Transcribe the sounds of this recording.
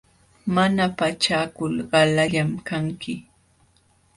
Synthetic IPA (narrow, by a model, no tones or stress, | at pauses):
manapat͡ʃaːkʊlɢɑlaʎamkaŋkɪ